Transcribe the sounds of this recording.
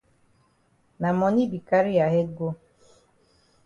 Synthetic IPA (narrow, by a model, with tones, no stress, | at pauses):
na˨mɔ˨ni˦bi˨ka˦ɾi˦a˨ɦe˦ɡo˦